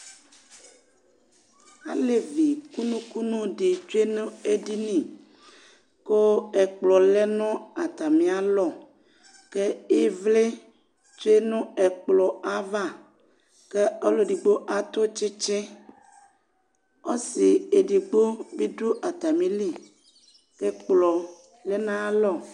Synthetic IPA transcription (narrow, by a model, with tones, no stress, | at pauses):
a̰˨le˨vi˨ku˦nũ˦ku˦nũ˦ɖi˨t͡ʃo˦e˦nũ˦e˦ɖi˦nĩ˨ | ko˦e˨k͡plɔ˨le˦nɔ̃˦a˨t̪a˨mĩ˨a˨lɔ˨ | ke˦e˦vle˦ | t͡ʃo˦e˦nũ˦e˨k͡plɔ˨a˦va˦˨ | ke˦o˦lo˨ɖi˨ɡ͡bo˦ʔa˦t̪o˦t͡ʃi˦t͡ʃẽ˦ | o˦si˨e˨di˨ɡ͡bo˦bi˦ɖo˦ʔa˨t̪a˨mĩ˨li˦˨ | ke˦k͡plɔ˨ | le˦nã˦lɔ˦˨